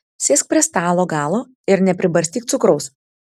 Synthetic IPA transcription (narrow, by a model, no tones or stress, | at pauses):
sʲeːsʲk̚pʲɾʲiɛst̪ɑːlˠoːɡɑːlˠoː | ɪɾnʲɛpʲɾʲɪbɐɾʲst̪ʲiːkt̪sʊkɾɔʊs